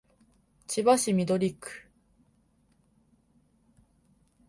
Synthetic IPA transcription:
t͡ɕibaɕimʲid̪o̞ɾʲikːɯ̥

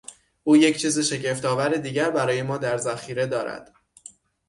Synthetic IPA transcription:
ʔuːjecʰt͡ʃʰiːzeʃe̞ɟeft̪ɒːvæɾed̪iːɡɟæɾbæɾɒːje̞mɒːd̪æɾzæxiːɾe̞d̪ɒːɾæ̰d̪̥

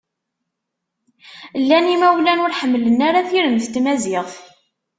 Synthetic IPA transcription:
lːænimæwlænʊɾħəmːlənaɾaθiɾənθt̪ːmæzɪθ

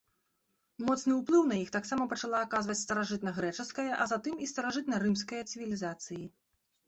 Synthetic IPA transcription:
mɔt̪snɨuplˠɨwnɐjixt̪aksamɐpɐt͡ʂalˠaːkazvɐt͡sʲst̪ɐɾaʐɨt̪nɐɣɾɛt͡ʂɨskɐjɐʔɐzat̪ɨmist̪ɐɾaʐɨt̪̚nɐɾɨmskɐjɐt̪sɨvʲilʲizat̪sɨji

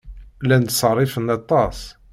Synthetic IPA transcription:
lænd̪sərˤːɪfənɑt̪ˤɑs

